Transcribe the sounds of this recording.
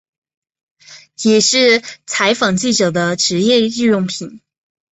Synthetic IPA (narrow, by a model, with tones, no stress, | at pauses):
jɛ˨˩ʂɻ̩˥˩t͡sʰa˧˥ɪfɑ˨˩ŋt͡ɕi˥˩ʈ͡ʂɤ˨˩d̪ə˦ʈ͡ʂɻ̩˧˥jɛ˥˧i˥˧jʊ˥˩ŋpʰi˨˩˦n